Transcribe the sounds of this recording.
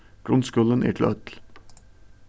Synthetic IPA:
ɡ̥ɾʊnskʉlənʔḭːʈ̪ʰl̰œt̪l

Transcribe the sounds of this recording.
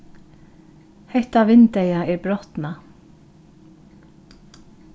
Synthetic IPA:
hɛht̪aʋɪnt̪ejaɛɹbɾɔht̪na

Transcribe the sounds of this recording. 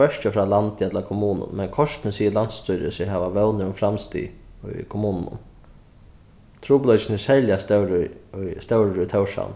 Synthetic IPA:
œʃt͡ʃəfɾɑːlant̪ɪat̪lakʰɔmuːnʊ̰mmɛnkʰɔʂt̪nɪsiːɪlan̥t̪st̪ʊjɾɪ̰sɪɦaːʋaʋɛwnɪʊmfɾamst̪ḭːʊ̰jkʰʊmuːnnʊ̰m | t̪ʰɾuːplœt͡ʃɪnɪshɛljast̪ɛwɾʊʊjst̪ɛwɾɾʊjt̪ʰɛwʂa̰n

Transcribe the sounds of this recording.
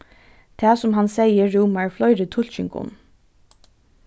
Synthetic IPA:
t̪ʰɛːsʊmɦansɛjəːuːmaɹflɔʏɾɪt̪ʰʊl̥t͡ʃɪŋkʊ̰n

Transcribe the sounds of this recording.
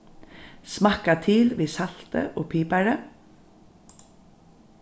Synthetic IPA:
smɑkat̪ʰiːlʋiːsal̥t̪ə̰ʔoːpʰiːpaɹə

